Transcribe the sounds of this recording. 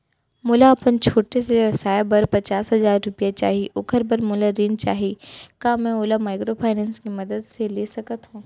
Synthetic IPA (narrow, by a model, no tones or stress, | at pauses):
mʊlaɐpənt͡ʃʰoːʈeseɐsaːjbɐɾpɐt͡ʃaːsɦɐzaːɾːʊpijat͡ʃa̰ːɦiʔʊkʰəɾbəɾmʊlaɾint͡ʃa̰ːɦikãːmɛ̃oːlamaːɪkɾopʰaːɪnɛ̃ːnskimɐd̪əd̪seleːsɐkət̪ɦũː